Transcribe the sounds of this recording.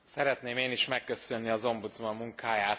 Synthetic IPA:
sɛɾɛt̪neːmeːniʃmɛkːøsønːiɒzo̞mbut̪zmɒmːuŋkaːjaːt̪

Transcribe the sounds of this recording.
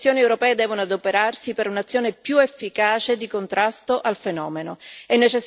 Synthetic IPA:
joːniewɾopɛːed̪ɛːvonoad̪opeɾarsipeɾunat̪sːjoːnepjuefːikaːt͡ʃed̪ikont̪ɾast̪oʔalfenɔ̰ːmenoɛnːet͡ʃes

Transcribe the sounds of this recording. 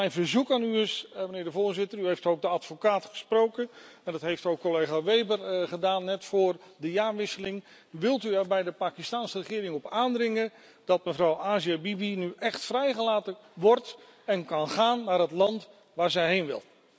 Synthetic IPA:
ɛjnvəɹzukaːnyəsmənɪːɹdəvʊːɹzɪtəryɦejftowk̚dəɑtfokaːtχə̥sprowkən | ɛndɑtɦejftowkːolejχaːʋejbərχədaːnːɛtfʊːrdəjaːɹʋɪsəlɪŋ | ʋɪlˠtyɛɹbɛjdəpaːkistaːnsərəχɪːɾɪŋɔpaːndrɪŋə | dɑt̚məvrɑwaːziabibinyʔɛχtfrɛjχəlaːtəʋɔrt | ɛnkɑnχaːnːaːɾɦətlɑnt | ʋaːɹzɛjɦejnʋɪ̰lˠ

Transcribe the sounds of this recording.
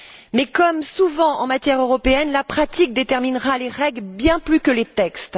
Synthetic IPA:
mɛkɔmsuvɑ̃ɑ̰̃mat̪jɛʁøʁɔpeɛnlapχat̪ik̚d̪et̪ɛʁminʁaleʁɛɡlbjɛ̃plykəlet̪ɛkst̪

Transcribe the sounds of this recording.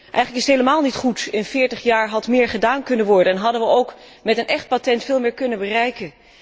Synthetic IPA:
ʔɛjχələkɪstɦejləmaːlˠnitχutɪnfɪːɹtəχjaːɹɦɑtmɪːɹχədaːnkɵnənʋɔɹdənɛnɦɑdənʋəowkmɛtənʔɛχt̚patɛntfɪːlˠmɪːɹkɵnənbərɛjkən

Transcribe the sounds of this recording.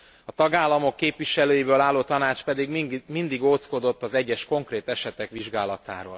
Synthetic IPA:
ɒt̪ɒɡaːlːɒmo̞kːeːpʋiʃɛløːjibøːlaːlːoːt̪ɒnaːt͡ʃpɛd̪iɡmind̪iɡoːt̪sko̞d̪o̞t̪ːɒzɛɟːɛʃko̞ŋkreːt̪ɛʃɛt̪ɛkʋiʒɡaːlɒt̪a̰ːɾo̰ːl

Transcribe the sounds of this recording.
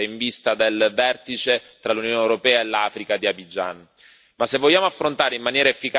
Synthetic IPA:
iɱvist̪ad̪elvɛrt̪it͡ʃet̪ɾalunjoːneewɾopɛːaelːaːfɾikad̪iabid͡ʒa̰n | masːevːoʎːjːaːmoafːɾont̪aːɾeimːanjɛːɾaefːika

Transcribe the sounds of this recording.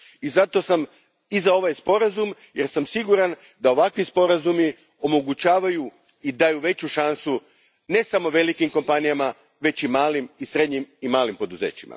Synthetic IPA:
izat̪o̞sam | izao̞ʋajspo̞ɾazum | je̞ɾsamsiɡuɾan | d̪ao̞ʋakʋispo̞ɾazumi | o̞mo̞ɡut͡ɕaːʋaju | id̪ajuʋe̞t͡ɕuʃansu | ne̞samo̞ʋe̞likimko̞mpanijama | ʋe̞t͡ɕimaːlimisɾe̞d̪ɲimimaːlimpo̞d̪uzḛːt͡ɕima̰

